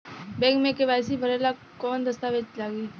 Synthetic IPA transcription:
bẽŋkmekeʋajsiːbʱəɾɛla | kɔnd̪əst̪aʋet͡ʃlaɡiː

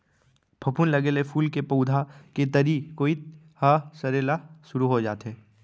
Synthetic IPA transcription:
bʰʱɐpunlɐɡeːlefʰuːlkepɐːd̪ʱaket̪əɾikoːi | hasɐɾeːlaʃʊɾuɦod͡ʒaːt̪ɦeː

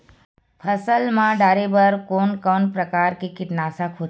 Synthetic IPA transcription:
pʰəsəlmãɖaːɾebəɾkoːnkɔːnpɾəkaːɾkekɪʈnaːsakʰoː

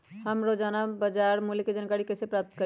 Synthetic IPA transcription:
həmɾod͡ʒanabəd͡ʒaɾmulked͡ʒankaɾikəsepɾap̚t̪kə

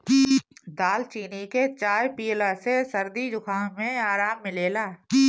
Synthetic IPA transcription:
d̪aːlt͡ʃiːniket͡ʃaːjpiːlasesɐɾd̪id͡ʒʊkʰaːɦmẽaːɾaːmːɪleːlaː

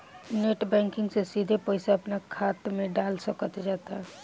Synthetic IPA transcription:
neʈbɛ̃ŋkɪŋɡsesid̪ʱepəɪsaəpnakʰat̪meɖalsəkət̪d͡ʒat̪a

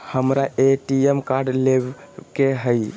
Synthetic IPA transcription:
həmɾaeʈiemkaɾɖleb | keɦəj

